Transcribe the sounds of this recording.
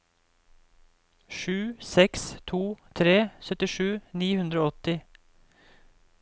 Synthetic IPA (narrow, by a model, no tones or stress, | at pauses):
ʃʉːsɛkst̪ʰuːt̪ʰɾeːsœt̪ɪʂʉːniːhʉnd̪ɾoːɔt̪ɪ